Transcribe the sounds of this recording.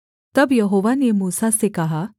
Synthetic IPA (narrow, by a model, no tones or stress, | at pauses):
t̪əbjəɦoʋanemuːsasekaɦa